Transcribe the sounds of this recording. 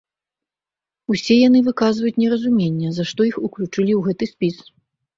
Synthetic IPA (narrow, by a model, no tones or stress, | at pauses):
usʲɛjanɨvɨkazvɐjut͡sʲnʲɛɾɐzumʲenʲːɛzaʂt̪ɔixuklʲut͡ʂɨlʲiwɣɛt̪ɨsʲpʲis